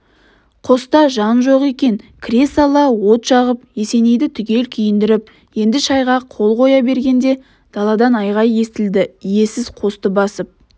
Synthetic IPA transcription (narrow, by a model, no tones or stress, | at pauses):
qʰo̞st̪ɑʒɑnʒo̞qe̞kʲe̞nkʲʰɾe̞sɑlˠɑwo̞t̪ʃɑʁəpje̞se̞ne̞jd̪ɪt̪ʰʏɡʲe̞lkʲʰʏjɪnd̪ɪɾɪp̚ | je̞nd̪ɪʃɑjʁɑqʰo̞lˠqʰo̞jɑbe̞ɾɡʲe̞nd̪e̞ | d̪̥ɑlˠɑd̪ɑnɑjʁɑje̞st̪ɪld̪ɪje̞sɪzqʰo̞st̪əbɑsəp̚